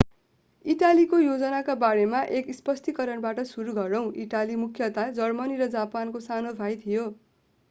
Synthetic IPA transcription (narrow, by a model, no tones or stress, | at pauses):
iʈalikojod͡zʌnakabaɾemaʔekispʌst̪ikʌɾʌɳbaʈʌsuɾuɡʱʌɾʌw̃ʔiʈalimukʰjʌt̪ad͡zʌrmʌniɾʌd͡zapankosanobʱajt̪ʰijo